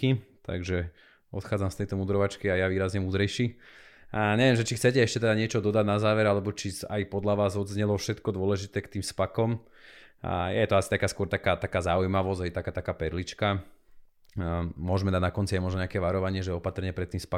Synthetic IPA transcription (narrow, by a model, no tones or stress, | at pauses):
it̪a̰ɡʒɛ | ɔt̪xaːd͡zamst̪ɛjt̪ɔmuːd̪ɾɔʋat͡ʃkiajaʋiːɾazɲɛmuːd̪ɾɛjʃi | ɲɛʋɛmʒɛt͡ʃixtt͡sɛcɛɛʃcɛt̪ɛd̪aɲɪɛt͡ʃɔd̪ɔd̪aɟ̪nazaːʋɛɾalɛbɔt͡ʃisa̰jpɔd̪laʋaːzɔd̪zɲɛlɔfʃɛt̪kɔd̪ʊɔlɛʒit̪ɛːkt̪iːmspakɔm | jɛjɛt̪ɔasit̪akaːskʊɔɾt̪akaːt̪akaːzaujmaʋɔzɦɛjt̪akaːt̪akaːpɛɾlit͡ʃka | mʊɔʒmɛd̪adnakɔnt͡siajmɔʒnɔɲɛakɛːʋaɾɔʋaɲɪɛʒɛɔpat̪rɲɪɛpɾɛt̪ːiːmspa